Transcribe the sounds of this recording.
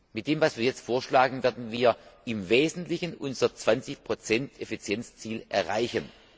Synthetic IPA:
mɪt̚d̥eːmvasv̥iːɐjɛt͡stfoːɐʃlaːɡŋ̩vɛɐdn̩viːɐʔɪmveːzn̩tlɪçənʔʊnzɐt͡sv̥ant͡sɪçpʁ̥ot͡sɛntefit͡sjɛnt͡st͡siːlʔɛ̰ɐʁa̰ɪçən

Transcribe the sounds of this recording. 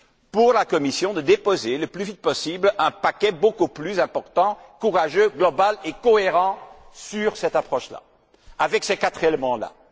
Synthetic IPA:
puʁlakɔmisjɔ̃d̪əd̪epozeləplyvit̪̚pɔsiblɛ̃pakʲɛbokuplyzɛ̃pɔʁt̪ɑ̃kuʁaʒøɡlɔbalekɔeʁɑ̃syʁsɛt̪apχɔʃla̰ | avɛksekat̪χelemɑ̃la̰

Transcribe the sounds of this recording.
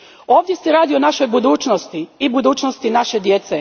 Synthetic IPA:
o̞ːʋd̪je̞sɛɾaːd̪ionaʃo̞jbud̪uːt͡ʃnost̪iibud̪uːt͡ʃnost̪inaʃe̞d̪je̞t̪se

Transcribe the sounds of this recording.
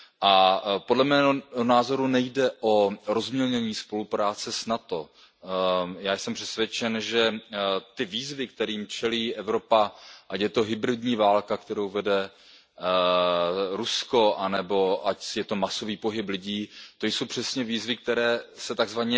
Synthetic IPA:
ʔapodlɛmɛːɦoɦonaːzo̞ɾunɛjdɛʔo̞ɾozmɲɛlɲɛɲiːspo̞lupɾaːt͡sɛsnat̪o | jaːjsɛmpr̥ɛsvjɛt͡ʃɛnʒɛt̪ɪviːzvɪk̚t̪ɛɾiːmt͡ʃɛliːʔɛvɾo̞paʔacjɛt̪o̞ɦɪbɾɪdɲiːvaːlkakt̪ɛɾowvɛdɛ | ɾusko̞ʔanɛbo̞acsjɛt̪o̞maso̞viːpo̞ɦɪplɪɟiːt̪o̞jso̞wpr̥ɛsɲɛviːzvɪk̚t̪ɛɾɛːsɛt̪aɡzvaɲɛ

